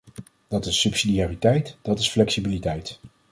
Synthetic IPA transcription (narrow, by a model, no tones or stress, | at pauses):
d̥ɑtɪsːɵpsidiaːritɛjtd̥ɑtɪsflɛksibilitɛjt